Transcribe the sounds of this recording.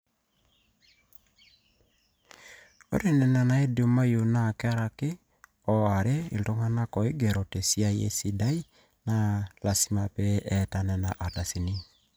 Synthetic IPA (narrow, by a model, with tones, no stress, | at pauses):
o̰˦ɾe˨nɛ˨na˨na˨e˦do˨˦ma˦jo˨na˦˨kɛ˦a˦ɾa˨ke˦ | ɔ˨a˨ɾe˦ḭ˨lto˦ŋa˦na˦kɔ˨e˦ɡe˨ɾɔ˨te˨si˦a˦jḛ˦si˦da˦i˦ | na˦la˨si˦ma˨pɛ˦ʔɛta˨nɛ˨na˨ʔa˨ta˨si˨ni˦